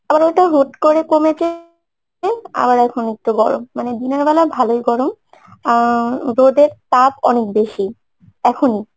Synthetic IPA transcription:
abaɾeʈaɦoʈkoɾekomet͡ɕe | ea̰baɾɛkʰonek̚ʈuɡɔɾo̰mːaned̪inaɾbɛlabʱalojɡɔɾom | ɾod̪eɾtapɔ̰nek̚beʃi | ɛkʰoni

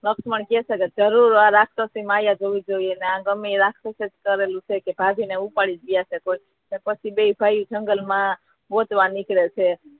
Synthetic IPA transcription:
nəksməɳkesəked͡ʒəɾuɾãɾakʰt̪əsimajad͡ʒoʋid͡ʒoieneãɡəmːiɾakʰt̪əsed͡ʒkəɾelũt͡ʃʰekebʱab̪ʱineupaɽid͡ʒijasekoi | nepət͡ʃʰibeibʱajud͡ʒəŋɡəlmã | bot̪ʋãnikɾet͡ʃʰe

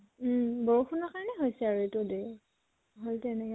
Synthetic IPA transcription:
bɔɹupʰunɔkaɹɔnɛɦojsɛaɹuetʊde | ɦoltɛnɛk

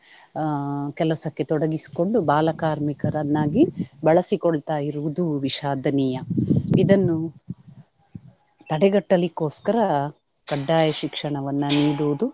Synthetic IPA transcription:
kɛlɐsɐkːe̞t̪ɔɽɐɡisi̥ko̞ɳɖubaːlɐkaːɾmikɐɾɐnːaːɡibɐɭɐsikɔɭt̪aːjiɾuʋud̪uʋiʃaːd̪ʱɐnijɐid̪ɐnːu | t̪ɐɽɛɡɐʈːɐlikːoːskɐɾɐ | kɐɖːaːjɐʃikʂɐɳɐʋɐnːɐniːɽuʋud̪u

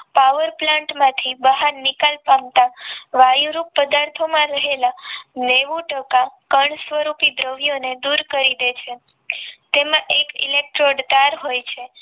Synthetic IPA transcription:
paʋəɾplãɳʈmãt̪ʰibəɦaɾnikalpamt̪aʋajuɾupːəd̪aɾt̪ʰomãɾəɦelaneʋũʈəkakəɳsʋəɾupid̪ɾəʋjoned̪uɾkəɾid̪et͡ʃʰe | t̪emãʔekḭlek̚ʈɾoɖd̪aɾɦojt͡ʃʰe

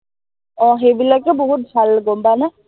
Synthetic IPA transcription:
ɔ̃ɦebilɔjkɛbɔɦut̪̚bʱalɡɔmbana

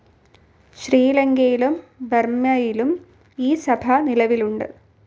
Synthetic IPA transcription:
ɕriːlɐŋɡɐjilumbermjɐjilum | iːsɐbʱɐnilɐʋiluɳɖɨ̰

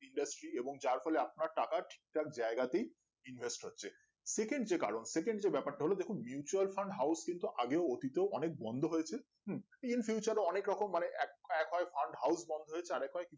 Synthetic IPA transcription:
iɳɖasʈɾieboŋd͡ʑaɾfʰɔleap̚naɾʈakaʈʰi̥k̚ʈak̚d͡ʑaeɡat̪ej | invesʈɦotːɕʰe | sekeɳɖd͡ʑeka̰ɾonsekeɳɖd͡ʑebɛpaɾʈaɦolod̪ekʰunmjut͡ɕualfaɳɖɦawskint̪uʔaɡeoot̪it̪eoɔnek̚bɔnd̪ʱoɦojet͡ɕʰe | ɦ̩ | infjuːt͡ɕaɾoɔnekɾɔkomːaneʔɛkɛkɦɔefaɳɖɦawsbɔnd̪ʱoɦoet͡ɕʰeaɾɛkɦɔeki

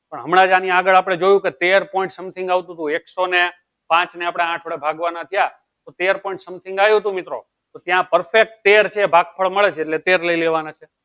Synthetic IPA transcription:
pəɳɦəmɽãd͡ʒãniaɡəɭap̬ɽ̃ed͡ʒojũket̪eɾpɔ̃ĩɳʈsəmt̪ʰɪ̃ŋɡaʋt̪ũt̪ũeksone | pãt͡ʃneapɽ̃eãʈʰoɽebʱaɡʋanat̪ʰija | t̪ot̪eəɾpɔ̃iɳʈsəmt̪ʰɪ̃ŋɡajũt̪ũmɪt̪ɾo̰ | t̪ot̪jãpəɾfek̚ʈ̚t̪eɾt͡ʃʰeːbʱaɡ̚pʰəɭməɭet͡ʃʰeeʈlet̪eɾləileʋanat͡ʃʰe

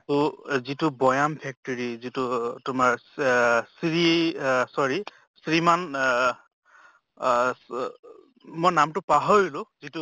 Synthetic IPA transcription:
tuzitubɔjampʰɛk̚tɔɹizitutʊmaɹ | sɹiesɔɹi | sɹiman | mɔjnamtʊpaɦoɹilʊzitu

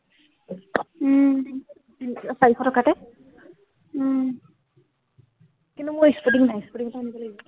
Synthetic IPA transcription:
sajiɔtʰɔkatɛ | kintumʊispudiŋdaispudiŋɔtaːnibɔlaɡɔ

